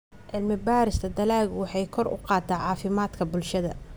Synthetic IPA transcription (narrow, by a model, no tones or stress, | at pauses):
ʕɪlmɪbaːɾɪst̪ʰɐd̪ɐlaːɣwɑħɑjkʰɔrʊ̰qɑːt̪ʰaːʕɑːfɪmaːd̪kʰɐbʊlʃɐðɐ̰